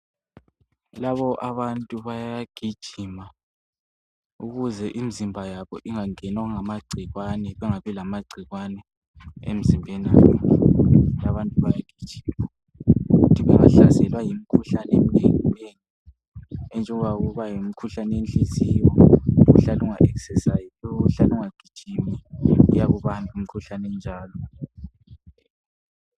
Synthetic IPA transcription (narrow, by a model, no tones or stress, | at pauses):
laβɔʔaβantʼuβajaɡ̥ʱid̥ʒ̥ʱima | uɣuzɛʔimizimbʱajaβɔ̰ʔiŋaŋɛnaɣuŋamaɡ͡ǀʱiɣwanɛβɛŋaβɛlamaɡ͡ǀʱiɣwanɛ | ḛm̩zimbʱɛna̰ːjɔ | laβantʼuβajaɡ̥ʱid̥ʒ̥ʱima | uɣutʰiβɛŋa̰ɬasɛlwajim̩kʰuɬanemineŋuweŋi | ɛnt͡ʃʼɛŋwaɣuβajimikʰuɬanɛenɬisiwɔṵɬaluŋaʔɛksɛsajilɔuɬaluŋaɡ̥ʱi̥t͡ʃʼimiṵjaɣuβamim̩kʰuɬanɛnd͡ʒʱaːlɔ